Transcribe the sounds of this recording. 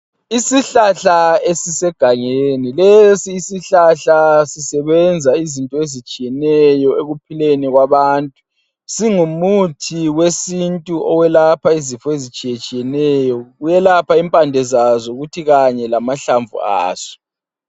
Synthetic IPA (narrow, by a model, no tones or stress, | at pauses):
isiɬaɬaesisɛɡ̥ʱaŋenilesiːsiɬaɬasisɛβɛnd͡zʱaizintʼɔezit͡ʃʼijɛnɛjɔeɣupʰileniɣwaβaːntʼu̥ | siŋumutʰiwesintʼuʔɔwɛlapʰaizifɔezit͡ʃʼijet͡ʃʼijɛnɛjɔɣujɛlapʰaimpʼandʱɛzazɔuɣutʰiɣaɲɛlamaɬaɱvṵa̰ːz̥ɔ̥